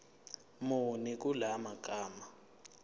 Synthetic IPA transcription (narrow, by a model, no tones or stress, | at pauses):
monik̬ulamakʼaːma